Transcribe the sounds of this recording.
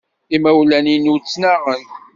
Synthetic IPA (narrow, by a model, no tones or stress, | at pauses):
imæwlæninut͡sːnaʁən